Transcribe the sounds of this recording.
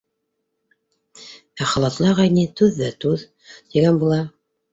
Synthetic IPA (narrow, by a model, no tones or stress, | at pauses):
æχɑlˠɑt̪lˠɑʁɑjnit̪ʉðːæt̪ʉð | t̪iɡænbulˠɑ